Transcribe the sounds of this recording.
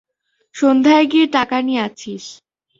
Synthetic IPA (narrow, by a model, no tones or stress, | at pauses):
ʃond̪ʱaeɡieʈakanieat͡ɕʰiʃ